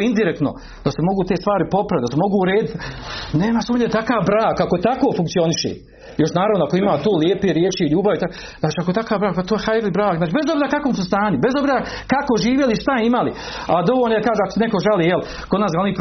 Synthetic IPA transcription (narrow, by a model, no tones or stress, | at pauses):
ind̪iɾekt̪no̰ | d̪̥asemo̞ɡuːt̪e̞ːst̪ʋaːɾipo̞pɾaʋit̪d̪asemo̞ɡuːuɾeːd̪it̪neːmasuːmɲet̪akaːʋbɾaːkako̞t̪akoːfuŋkt̪sio̞niʃḛː | jo̞ʃnaːɾaʋnoakoimaːt̪oːljeːpeɾjeːt͡ʃiʎuːbaʋit̪ak | z̥naːt͡ʃiakot̪akaːʋbɾaːk̚pat̪oːjexajɾlibɾaːkzaːt͡ʃibezo̞bziɾakakomsust̪aːɲube̞zobziːɾakako̞ʒiːʋjeliʃt̪aimali | ad̪o̞ʋoːlnoekaːʒeako̥senekoʒaliːjel | ko̞d̪naːsɡaonip